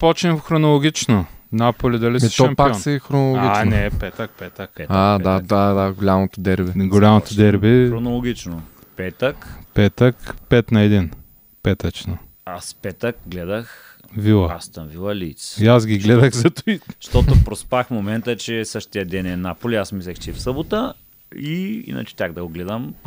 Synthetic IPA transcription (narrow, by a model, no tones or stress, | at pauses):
pɔt͡ʃɛmfxɾonolˠoɡʲit͡ʃnonapolʲid̪ɐlisɛʃɔɛmpak̪sɛxɾonolˠoɡɡit͡ʃnɛpɛt̪ɐk̚pɛt̪əkad̪ad̪ad̪aɡolʲamot̪od̪ɛɾbɛɡolʲamot̪od̪ɛɾbɛɾonolˠoɡʲit͡ʃno | pɛt̪əkpɛt̪əkpɛt̪nɐɛd̪in | pɛt̪ɐt͡ʃno | aspɛt̪ək̚ɡlɛd̪ɐx | vilˠəast̪ɐmvilˠɐlit̪siasɡʲiɡlɛd̪əxzɐt̪ʊiʃt̪ot̪opɾospaxmomɛnt̪ət͡ʃɛsəʃt̪iəd̪ɛnɛnapolʲiasmislɛxt͡ʃɛfsɤbot̪ə | iḭnɐ̰t͡ʃɛ̥t̪ʲaɡd̪ɐɡoɡlɛd̪əm